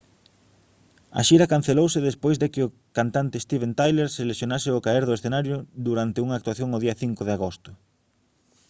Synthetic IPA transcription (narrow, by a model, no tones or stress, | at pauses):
a̰ʃiɾɐkan̟θelowsɪðespojzðɪkɪʊ | kant̪ant̪ɪːst̪iβẽnt̪ajleɾselesjonasɪʊkaeɾðʊesθenaɾjʊd̪uɾant̪ɪuŋaːk̚t̪uwaθjoŋʊðiɐθiŋkʊðeaɣost̪ʊ